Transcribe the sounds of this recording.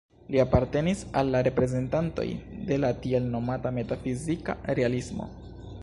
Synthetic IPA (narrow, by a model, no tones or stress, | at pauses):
liapaɾte̞nisalːaɾe̞pɾe̞ze̞ntanto̞̰jde̞latie̞lno̞matame̞tafizika̰ɾe̞alismo̰